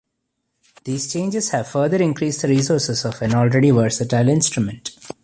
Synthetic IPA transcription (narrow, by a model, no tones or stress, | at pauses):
d̪̥iːz̥t͡ʃẽːnd͡ʒɪz̥hæʋfəːɾd̪əɾɪ̃nkɾiːsɖd̪əɾiːsoːɾsɪzɔʋɛ̃nɔːlɾeɖiʋəɾsɪʈaɪlɪ̃nsʈɾumə̃ɳʈ